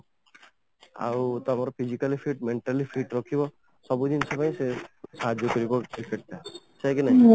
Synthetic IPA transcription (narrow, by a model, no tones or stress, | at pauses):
a̰wt̪amaɾɔpʰid͡ʑikalifʰiʈmeɳʈalifʰiʈɾɔkʰibɔ | sɔbud̪insʰepaj̃sesaɦad͡ʒɔkɔɾikɔɾkɾikeʈ̪̚ːat͡ʃajkenaj̃